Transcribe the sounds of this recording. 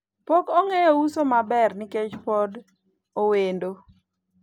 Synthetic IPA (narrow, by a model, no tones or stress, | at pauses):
pokoŋejousomabɛrnɪket͡ʃpɔd | owendo